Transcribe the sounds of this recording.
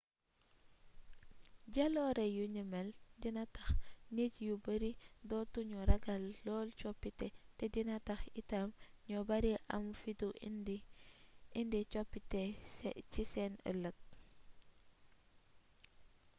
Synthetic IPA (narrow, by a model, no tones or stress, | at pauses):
ɟalɔɾejuɲimeldinatɐxnitjubəɾidɔtuɲuɾaɡalːɔːlt͡ʃɔpːitɛtɛdinatɐxitamɲɔbaɾiʔɐmfitund | indit͡ʃɔpːitɛcisɛnə̰lək̚